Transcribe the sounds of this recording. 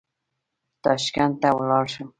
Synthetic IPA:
t̪ɑʃkant̪awʊlɑlʃʊŋ

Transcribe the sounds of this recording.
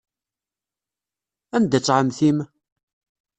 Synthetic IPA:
ænd̪æt͡sːʕəmθim

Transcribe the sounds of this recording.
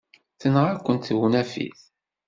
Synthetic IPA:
θənʁækʷːənt̪wunæfḭθ

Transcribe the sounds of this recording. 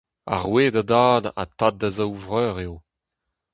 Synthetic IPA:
a̰ʁweːdadaːda̰t̪at̪̚d̪azawvʁœːʁeo

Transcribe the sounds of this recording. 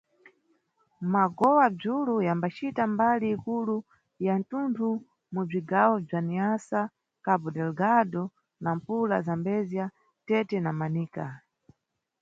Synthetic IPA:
maɡɔwab͡ʐulujambat͡ʃitambaliːkulu | jan̩tuntʰu | mub͡ʐiɡawɔb͡ʐaniasa | kabɔdɛlɡadɔ | nam̩pula̰zambɛzia | tɛtɛnamaniːka

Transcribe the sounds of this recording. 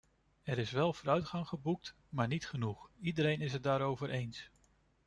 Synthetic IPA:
ɛɾɪsʋɛlˠvʊːɾœɥtχɑŋχəbuk̚t | maːɹnitχənuχidəɾejnɪs̬ɦət̚daːɾowvəɹʔejns

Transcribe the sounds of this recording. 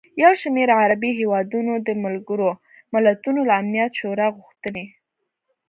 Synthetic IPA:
jawʃmeɾaɾabiɦewɑd̪unod̪əmalɡəɾo | mɪlat̪unolaːmnijat̪ʃoɾɑɣʊxt̪əne

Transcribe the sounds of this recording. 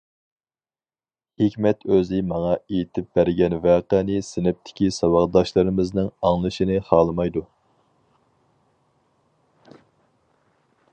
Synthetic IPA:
hɪkʲmɛt̪ʰøzɪmɑŋɑejit̪ʰɪp̚bæɾɡʲɛnvæːqɛnɪsɪnɪp̚t̪ʰɪ̥kʲisɑwɑʁd̪ɑʃlˠɨɾɪmɪznɪŋɑŋlˠɨʃinɨχɑːlˠɨmɑjd̪u

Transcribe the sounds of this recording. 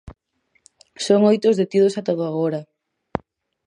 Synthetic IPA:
soŋojt̪ozðet̪ið̞osat̪oðoaɣoɾɐ

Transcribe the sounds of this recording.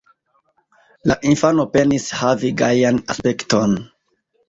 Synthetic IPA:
laʔinfano̞pe̞nishaviɡajanaspe̞kto̞n

